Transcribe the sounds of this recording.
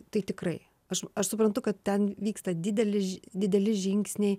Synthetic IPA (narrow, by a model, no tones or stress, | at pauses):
t̪ɐɪt̪ʲɪkrɐɪ | ɐʃɐʃsʊpɾɐnt̪ʊkɐt̪̚tʲɛnʋʲiːkst̪ɐd̪ʲɪd̪ʲɛlʲɪd̪ʲɪd̪ʲɛlʲɪʒʲɪŋksʲnʲeɪ